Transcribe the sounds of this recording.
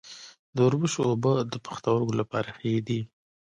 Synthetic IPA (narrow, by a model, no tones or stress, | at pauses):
d̪əʊɾbəʃoːbəd̪əpə̥xt̪awəɾkolapɑ̰ɾaxajed̪i